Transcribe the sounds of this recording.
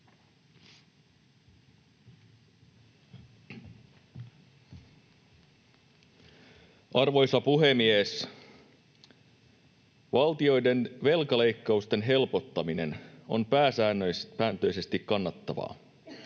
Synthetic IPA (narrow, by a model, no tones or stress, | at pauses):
ɑrʋo̞jsɑpuɦe̞mies | ʋɑlt̪io̞jde̞nʋe̞lkɑle̞jkːɑust̪e̞nɦe̞lpot̪ːɑmine̞no̞̰npæːsæːnpæːnt̪ø̞jse̞st̪ikkɑnːɑt̪ːɑʋɑ̰ː